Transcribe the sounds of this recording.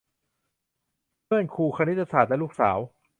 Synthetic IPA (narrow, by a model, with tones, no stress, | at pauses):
mɯ˥˩ənkʰuː˧kʰaː˧ni˦˥t̪ːa˧saː˨˩t̪̚lɛː˦˥luː˥˩k̚sa̰ː˩˦w